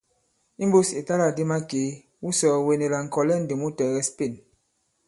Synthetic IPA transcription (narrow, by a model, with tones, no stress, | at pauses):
i˦m˦bu˦si˨ta˦la˨di˦ma˦ke˨˦ | wu˦sɔ˨we˨ne˨la˨ŋ̩˨kɔ˨lɛ˦˨n̩˦di˨mu˦tɛ˨ɣɛ˦spi˦˨n